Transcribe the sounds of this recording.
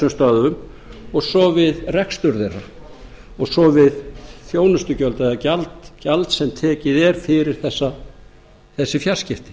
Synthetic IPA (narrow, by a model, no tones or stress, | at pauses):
ʏmst̪aːðʏʏm | ɔɣsɔvɪðrɛkst̪ʏɾðera | ɔɣsɔvɪðθjoːwnʏst̪ʏcœlt̪aɛðacalt̪calt̪sɛmt̪ʰɛːcɪðɛɾ̥fɪɾɪɾ̥θɛsːa | θɛsːɪfjar̥scɪft̪ɪ̥